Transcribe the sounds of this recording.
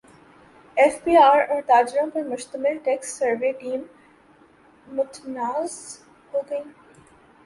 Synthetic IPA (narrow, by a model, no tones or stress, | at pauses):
ɛːfbiːaːɾɔːɾt̪aːd͡ʒɾãpɐɾmʊʃt̪əmɪlʈɛːksːɐɾʋeʈiːm | ʊt̪naːz | hoːɡɐĩː